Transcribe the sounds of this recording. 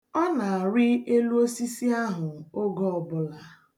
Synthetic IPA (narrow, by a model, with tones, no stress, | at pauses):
ɔ˦na˨a˨ɾɪ˦e˦lu˦o˦si˦si˦a˦ɦʊ˨o˦ɡɔ˦ɔ˨bʊ˨la˨